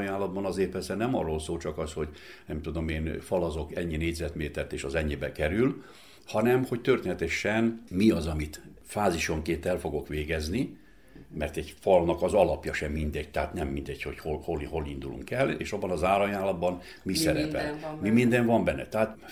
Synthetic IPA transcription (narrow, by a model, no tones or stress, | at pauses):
jaːnlːɒd̪bɒnɒzeːrpɛrsɛnɛmɒrːolsoːlt͡ʃɒkɒsho̞ɟnɛmt̪ud̪o̞meːnfɒlɒzo̞kɛɲːineːɟʲzɛt̪meːt̪ɛrt̪eːʃɒzɛɲːibɛkɛɾyl | hɒnɛmho̞ct̪ørt̪eːnɛt̪ɛʃɛnmiɒzɒmit̪ | faːziʃoŋkeːnt̪ɛlfo̞ɡo̞kʋeːɡɛzni | mɛrt̪ɛɟfɒlnɒkɒzɒlɒpjɒʃɛmːind̪ɛɟ̚t̪ɛɦat̪nɛmːind̪ɛɟho̞ɟholholɦo̞lind̪ulṵŋkɛlːḛːʃɒbːɒnɒzaːɾɒjaːnlːɒd̪bɒn | misɛɾɛpɛ̰lmimind̪ɛɱvɒmbɛnːɛ̰t̪ɛɦaːt̪